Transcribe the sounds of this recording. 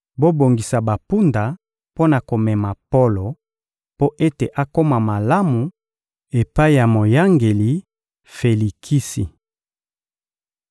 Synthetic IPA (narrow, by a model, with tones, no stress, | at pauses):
bo˦bo˨ŋɡi˨sa˨ba˨pu˦nda˨ | po˦na˨ko˨mɛ˨ma˨po˦lo˨ | po˦ʔe˦te˨ʔa˦ko˦ma˨ma˨la˦mu˨ | e˨pa˦i˦˨ja˨mo˨ja˦ŋɡe˨li˨ | fe˨li˨kʰi˦si˨